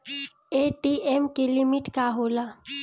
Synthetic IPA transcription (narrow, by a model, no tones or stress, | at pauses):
eʈiemkelɪmɪʈkaɦoːla